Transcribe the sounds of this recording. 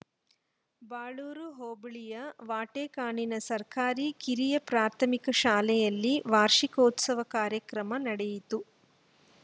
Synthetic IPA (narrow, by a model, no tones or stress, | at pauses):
baːɭuːɾuɦoːbɭijɐʋaːʈeːkaːɳinɐsɐɾkaːɾikiɾijɐpɾaːɾt̪ʰɐmikɐʃaːlɛjɐlːiʋaːɾʂikɐut̪sɐʋɐkaːɾjɐkɾɐmɐnɐɽɛjit̪u